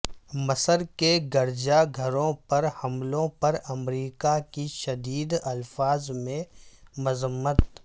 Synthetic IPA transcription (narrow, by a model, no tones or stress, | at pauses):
mɐsəɾkeɡɐɾd͡ʒaɡʱɐɾõpɐɾhɐmlõpɐɾɐmɾiːkakiʃɐd̪iːd̪ɐlfaːzmẽmʊzəmːət̪